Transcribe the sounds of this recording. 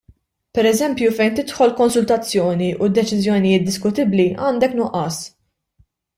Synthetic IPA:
pɛɾɛzɛmpjufɛjnt̪ɪt̪ħɔlkɔnsʊlt̪ɐt͡sːjɔːniʔʊd̪ːɛt͡ʃɪzjɔnɪjɪːt̪̚d̪ɪskʊt̪ɪbliɐːnd̪ɛknʊʔɐːs

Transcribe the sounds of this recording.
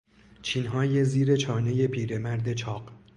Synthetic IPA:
t͡ʃʰiːnɦɒːje̞ziːɾe̞t͡ʃʰɒːne̞je̞pʰiːɾe̞mæɾd̪e̞t͡ʃʰɒːɢ

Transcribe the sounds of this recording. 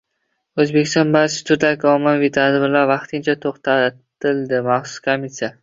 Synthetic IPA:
ɵzbe̞kʲʰɪst̪ɒnbaɾt͡ʃʰɪ̥t̪ʰʊɾd̪akʲɪɒmɪnvit̪ʰad̪bɪɾlaɾvɑqt̪ʰɪnt͡ʃʰat̪ʰoqt̪ʰat̪ɪld̪ɪmaχsʊ̥skʰomːisija

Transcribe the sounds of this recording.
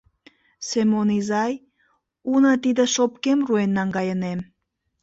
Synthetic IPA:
semonizɑj | unət̪id̪ĕʃopkemruenːɑŋɡɑjənem

